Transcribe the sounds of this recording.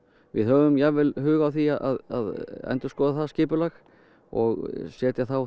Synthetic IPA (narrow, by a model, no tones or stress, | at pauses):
vɪ̰ðhœːvʏmjavɪlhʏːɣawθiaðʔaða̰ðɛ̰nt̪ʏ̥skɔːðaθascɪːpʏlax | ɔ̰ɣsjɛːt̪jaθaw